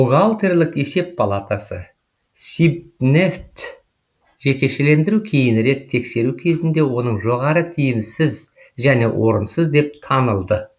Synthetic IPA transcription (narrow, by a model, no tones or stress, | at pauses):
uɡalˠt̪e̞rlʲˠɪke̞se̞ppʰalˠat̪asə̰ | sibneft̪ | ʒe̞kʲe̞ʃele̞nd̪ɪɾukʲʰe̞jɪnɾe̞t̪ʰːe̞kse̞ɾukʲʰe̞zɪnd̪e̞wo̞nəɴʒo̞ʁɑɾət̪ʰijɪmsɪz | ʒæne̞wʔo̞ɾənsəzd̪e̞p̚t̪ʰɑnəlˠd̪ə